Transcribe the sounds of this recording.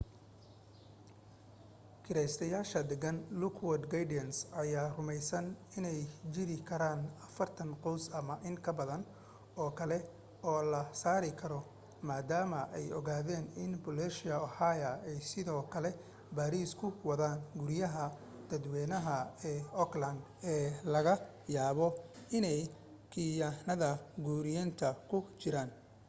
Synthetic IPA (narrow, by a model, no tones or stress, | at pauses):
kʰɪɾɛjst̪ʰɐjaːʃɐd̪ɛɡɐnlʊkʰwɔd̪ɡɐjdɪɐnsɐjaːrʊmɛjsɐnɪnɛjt͡ʃɪɾɪkʰɐɾaːnɐfɐrt̪ʰɐnqɔwsɐmɐʔɪŋkʰɐbɐðɐn | ɔːkʰɐlɛ | ɔːlɐsaːɾɪkʰɐɾɔ | maːd̪aːmɐʔɛjɔɣaːðɛːnɪnbʊlɛʃɪjɐʊhaːjɐɛjsɪðɔːkʰɐlɛ | baːɾiːskʰʊwɐðaːnɡʊɾɪjɐɦɐ | d̪̥ɐd̪wɛːnɐɦɐɛːɔklɐnd̪ɛːlɐɣɐ | jaːβɔɪnɛj | kʰijaːnɐðɐɡuːɾɪjaːnt̪ʰɐkʰʊt͡ʃɪɾaːn